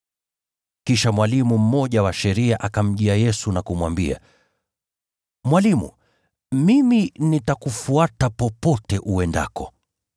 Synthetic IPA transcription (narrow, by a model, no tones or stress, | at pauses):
kiʃamwalimum̩mɔʄawaʃɛɾiaʔakam̩ʄiajɛsunakumwambḭa̰ | mwalimṵ | miminitakufuatapɔpɔtɛʔuɛnda̰kɔ